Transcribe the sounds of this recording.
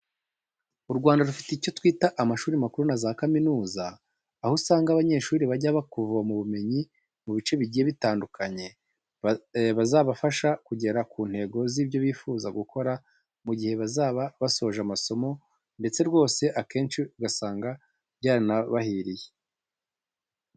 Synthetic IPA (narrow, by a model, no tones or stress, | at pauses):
uɾɡwaːndaɾufi̥teico̞twiːtaʔamaʃuːɾimakuɾunazaːkaminuːzaː | husaːŋɡaːβaɲe̞ːʃuːɾiβaɟaβakuvuamuβume̞ɲi | muβit͡ʃe̞βiɟijeβitaːndukʰaɲe̞ | βazaːβafaʃakuɟe̞ɾakuːn̥he̞ɡo̞ziːbɟo̞βiːfuːzaɡukʰo̞ɾa | muɟihe̞βazaβaβasooʒamaso̞mo̞ | nde̞t͡se̞ɾɡo̞ːse̞ʔake̞ːnʃiuɡasaːŋɡa | βjɟaːɾinaβahiːɾije̥